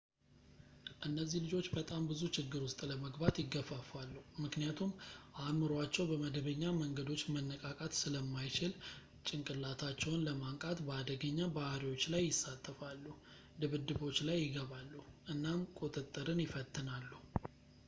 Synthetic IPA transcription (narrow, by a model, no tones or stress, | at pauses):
ʔɨnːəzːihlɨd͡ʒo̞t͡ʃːbət̪ʼambɨzut͡ʃɪɡːɨɾwʊst̪ʼləməɡbat̪jɪɡːəfafalːuhumɨknijat̪ʰumʔamɨɾoat͡ʃːɛwbəməd̪əbəɲːaməŋɡəd̪o̞t͡ʃːmənːəkʼakʼat̪sɨləmːajt͡ʃɪl | t͡ʃʼɪŋkʼɨlːat̪ʰat͡ʃːɛwnləmaŋkʼat̪bəad̪əɡəɲːabahɾiwo̞t͡ʃːlajːɪsːat̪ʼːəfalːu | d̪ɨβɨd̪ːɨβo̞t͡ʃːlajːɪɡəβalːuhʔɨnːamkʼo̞t̪ʼət̪ʼːəɾɨnjɪfət̪ʰːɨnalːu